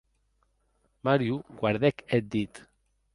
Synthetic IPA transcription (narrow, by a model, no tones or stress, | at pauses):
maɾjuɡwaɾðɛket̪̚d̪it̪